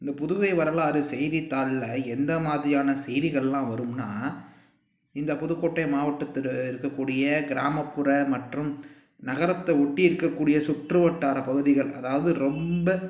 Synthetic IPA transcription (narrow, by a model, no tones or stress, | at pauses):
ɪnd̪ɐpʊðʊɣɐɪʋɐɾɐlaːɾɯsɛjðɪt̪ːaːɭlɐɛnd̪ɐmaːðɪɾɪjaːnɐsɛjðɪɣɐɭɛlːãːʋɐɾɯmnaː | ɪnd̪ɐpɔðɯkːoːʈːɐɪmaːʋɐʈːɐt̪ːɪɾɯkːɐkːuːɽɪjɐɡɪɾaːmɐpːɯɾɐmɐʈrɯm | nɐɣɐɾɐt̪ːɐɔʈːɪɪɾɯkːɐkːuːɽɪjɐsʊʈrɯʋɐʈːaːɾɐpɐɣɯðɪɣɐɭʔɐ̰ðaːʋɐðɯɾɔmbɐ